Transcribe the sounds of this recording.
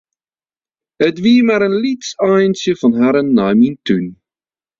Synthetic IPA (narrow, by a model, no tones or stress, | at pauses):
ətʋimaːɾənlitsajənsjəfɑnɦaɾənːajmintyn